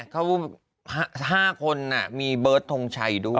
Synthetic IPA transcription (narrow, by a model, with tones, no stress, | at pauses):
kʰa˦˥w | ha˥ɦaː˥˩kʰo˧nːa˨˩miː˧bɤː˦˥t̪ʰːo˧ŋt͡ɕʰa˧jduː˥˩